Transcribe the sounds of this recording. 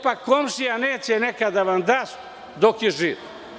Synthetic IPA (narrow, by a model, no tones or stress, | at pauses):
pakkːomʃijaneːt͡ɕɛnekad̪aʋamd̪as | d̪okiʒit